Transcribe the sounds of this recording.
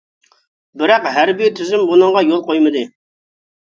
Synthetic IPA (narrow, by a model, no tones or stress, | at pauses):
bɪɾɑqɦæɾbijt̪ʰyzymbunɨɴʁɑjolˠqʰojmɨd̪ɨ